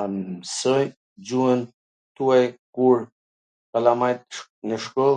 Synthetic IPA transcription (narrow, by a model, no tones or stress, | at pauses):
sɔj | d͡ʑuən | t̪uajkuɾ | kalamajt̪ | nəʃkɔl